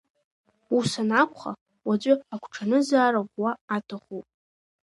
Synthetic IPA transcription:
usanakʷʰʼχa̰ | wad͡ʑʷʼʊakʷʰʈ͡ʂʰanɨzaːɾaʁwaatʰaχupʼ

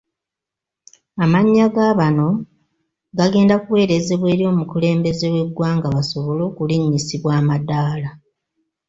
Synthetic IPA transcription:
amaɲːaɡaβano̞ | ɡaɡe̞ːndakuwe̞ːɾeze̞βwe̞ːɾjo̞ːmukule̞ːmbe̞ze̞we̞ɡwaːŋɡaβaso̞βo̞lo̞ːkuliɲːisiβwaːmadaːla

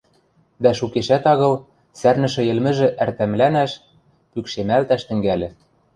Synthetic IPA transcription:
d̪æʃukeʃæt̪ɑɣɤ̆l | særnɘ̆ʃɘ̆jɘ̆lmɘ̆ʒɘ̆ʔært̪æmlænæʃ | pykʃemælt̪æʃt̪ɘ̆ŋɡælʲɘ̆

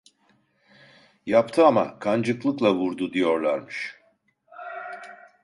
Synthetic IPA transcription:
japt̪ʰɯama̰kʰand͡ʒɯklˠɯklˠavuɾd̪ud̪ijo̞ɾlˠaɾmɯʃ

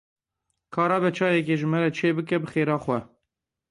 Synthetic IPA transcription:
kʰɑːɾɑːbɛt͡ʃʰɑːjɛk̬eːʒɨmɛɾɛt͡ʃʰeːbɨkɛbɨxeːɾɑːxʷɛ

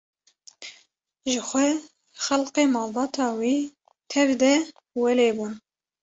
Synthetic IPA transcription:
ʒɨxʷɛ | xɛlqeːmɑːlbɑːt̪ʰɑːwiː | t̪ʰɛvd̪ɛ | wɛleːbuːn

